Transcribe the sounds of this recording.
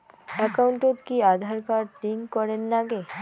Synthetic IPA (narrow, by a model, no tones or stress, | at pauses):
ɛkawɳʈot̪kiad̪ʱaɾkaɾʈiŋkkɔɾenːaɡe